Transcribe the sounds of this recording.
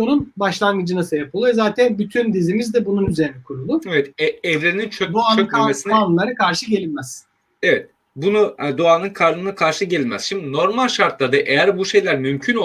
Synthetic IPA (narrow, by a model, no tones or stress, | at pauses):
onunbaʃlˠanɡɯd͡ʒɯnasajapʰɯlˠujozaːt̪ʰænbyt̪ʰynd̪izimizd̪ɛbununyze̞ɾinɛkʰuɾulˠʊevɛt̪ɛɛvɾeɾinint͡ʃʰød̪oaːnøɯnkʰmesinanˠlˠaɾɯkʰaɾʃɯɟe̞lʲilmɛz̥ | evɛt̪̚ | bunud̪oaːnɯnkʰaɾlˠɯnakʰaɾʃɯɟe̞lʲilʲmæz̥ʃimd̪ino̞ɾmalʲʃaɾt̪lˠaɾd̪aʔejæɾbuʃe̞jlʲæɾmymcʰyno